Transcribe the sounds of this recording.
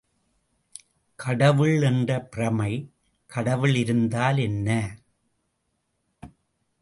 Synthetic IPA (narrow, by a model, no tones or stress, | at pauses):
kʰɐɽɐʋɯɭɛndrɐpɪrɐmɐɪ | kʰɐɽɐʋɯɭɪɾɯnd̪aːlɛnːɐ